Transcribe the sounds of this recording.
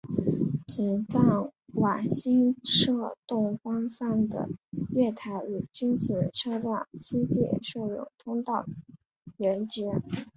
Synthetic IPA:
t͡ɕi˨˩nt͡sɑ˥˩ŋwa˨˩ɕi˥nʂɤ˥˧t̪ʊ˥˩ŋfɑ˥ŋsa˥˩nd̪ə̰˩ɥɛ˥˩t̪ʰa˧˥ɪy˨˩t͡ɕi˥ŋt͡si˥˩˨ʈ͡ʂʰɤ˥ʈ͡ʂɑ˥˩ŋt͡ɕʰi˥t̪jɛ̰˥˩ʂɤ˥˧ɻʊ̰˨˩ŋt̪ʰʊ˥ŋt̪ɑ˥˩ʊ | ɥɛ˧˥nt͡ɕɛ˥

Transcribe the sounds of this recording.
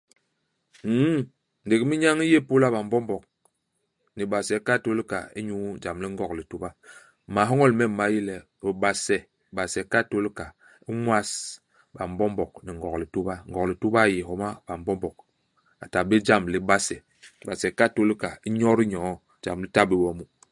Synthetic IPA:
n˨di˨kmi˦ɲa˦ŋi˦je˦po˦la˦ba˨m˦bɔ˦mbɔ˨k̚ | ni˨ɓa˨sɛ˨˦ka˦˨to˦li˦ka̰˨ḭ˦ɲu˦d͡ʒa˨mli˦ŋɡɔ˨kli˨tu˦ba˦˨ | ma˨˦ɦɔ˦ŋɔ˦lmɛ˦˨m˨ma˨˦ji˦lɛ˨i˨ɓa˨sɛ˨ | ɓa˨sɛ˨ka˦˨to˦lka˨ | i˦mwa˦s | ba˨m˦bɔ˦mbɔ˨k̚ni˨ŋɡɔ˨kli˨tu˦ba˦ŋɡɔ˨kli˨tu˦ba˦˨je˨ɦɔ˨ma˦ba˨m˨bɔ˦mbɔ˨k̚ | a˨ta˨bi˦d͡ʒa˦mli˨˦ba˦sɛ˨ | ba˨sɛ˨ka˦˨to˦li˦ka˨i˦ɲɔ˦ɾi˦ɲɔ˨˦ | d͡ʒa̰˨mli˦ta˦bi˨bɔ˨mu˦

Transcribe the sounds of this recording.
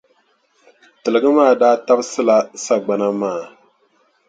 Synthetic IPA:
tɨ˨lɨ˨ɡɨ˦maː˦˨daː˦ta˦bsɨ˦la˦sa˨ɡ͡ba˨na˦maː˦˨

